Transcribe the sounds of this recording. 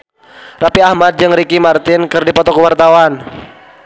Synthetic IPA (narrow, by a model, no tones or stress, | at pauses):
rapiahmad̪̚d͡ʒɨŋrikimart̪ɪnkɨrdipɔt̪ɔkəwart̪awan